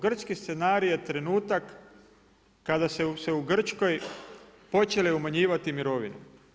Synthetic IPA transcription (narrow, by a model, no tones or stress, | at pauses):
ɡr̩t͡ʃkist̪senaːɾijet̪ɾe̞nuːt̪ak | ad̪asese̞uɡr̩t͡ʃko̞j | po̞t͡ʃeleumaɲiːʋat̪imiɾo̞ʋḭnṵ